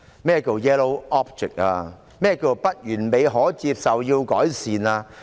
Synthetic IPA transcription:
mɛː˥˩˧ko˨˧˩wjɛː˥lo˧wɔː˦˥p̚t͡ʃɪ̰˨k̚a̰ː˧ | mɛː˥˧ko˨˧˩wpɐ˥t̚jyː˨˩nme˨˧jɦɔː˨˥t͡siː˧p̚sɐ˨wjiː˧wkɔː˨˥jsiː˨naː˧

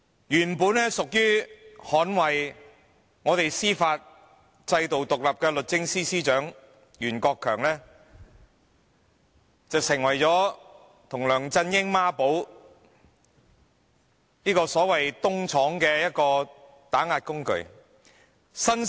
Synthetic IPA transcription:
jyː˨˩npuː˨˥nlɛː˥sʊ˨k̚jyː˥hɔː˨˥nwɐ˨j | ŋɔː˨˧t̪e˨jsiː˥faː˧t̚ | t͡sɐ˧jt̪o˨wt̪ʊ˨k̚lɐ˨p̚kɛː˧lɵ˨t̚t͡sɪ˥ŋsiː˥siː˥t͡ʃœː˨˥ŋ | jyː˨˩nkɔː˧kʰːœː˨˩ŋlɛː˥ | t͡sɐ˨wsɪ˨˩ŋwɐ˨˩jt͡sɔː˨˥ | t̪ʰʊ˨˩ŋlœː˨˩ŋt͡sɐ˧njɪ˥ŋmaː˥po˨˥w | niː˥kɔː˧sɔː˨˥wɐ˨jt̪ʊ˥ŋt͡sʰɔː˨˥ŋkɛː˧jɐ˥t̚kɔː˧ | t̪aː˨˥ŋaː˨˧t̚kʊ˥ŋkɵ̰˨˩ɥ | sɐ˥n

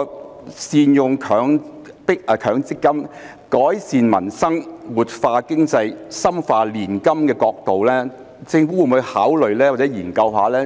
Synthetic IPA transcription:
siː˨˧njʊ˨ŋkʰœː˨˧˥ŋpɪ˥k̚ːkʰœː˨˥ŋt͡sɪ˥kːɐ˥m | kɔː˨˥jsiː˨nmɐ̰˨˩nsɐ˥ŋwuː˨t̚faː˧kɪ˥ŋt͡sɐ˧jsɐ˥mfaː˧liː˨˩nkɐ˥mkɛː˧kɔː˧k̚t̪o˨wlɛː˥ | t͡sɪ˧ŋfuː˥wu˨˩u˨˧haː˨˥wlɵ˨ɥlɛː˥waː˨˩t͡sɛ˨˥jiː˨˩nkɐ˧wɦaː˨lɛː˥

